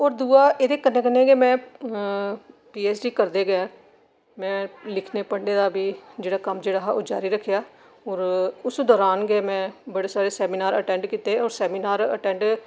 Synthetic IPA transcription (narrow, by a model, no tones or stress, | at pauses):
ɔːɾd̪uːaːʔeːd̪eːkənːeːkənːẽːɡeːmɛ̃ː | piːɛːsɖiːkəɾd̪eːɡəãː | mɛ̃ːlɪkʰneːpəɽɖeːd̪aːbiːd͡ʒeːɽaːkəmd͡ʒeːɽaːɦaʔoːd͡ʒaːɾiːɾəkʰːejaː | ɔːɾʊsd̪ɔːɾaːnɡeːmɛ̃ːbəɽeːsaːɾeːsɛːmiːnaːɾəʈɛ̃ːɳɖkiːt̪eːɔːɾsɛːmiːnaːɾə̰ʈɛ̃ːɳɖ